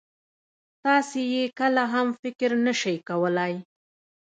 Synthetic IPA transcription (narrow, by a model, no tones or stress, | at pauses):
t̪ɑsejekəlaɦamfɪkɪɾnəʃəjkawəlaj